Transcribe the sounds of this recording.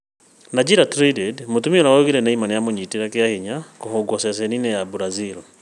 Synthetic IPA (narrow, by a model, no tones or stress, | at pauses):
nad͡ʒiɾatɾidɛdmotumioɾaoɣiɾɛnɛimanijamoɲitiɾakeahiɲakohoɡɔsɛsɛninɛjabuɾaziɾɔ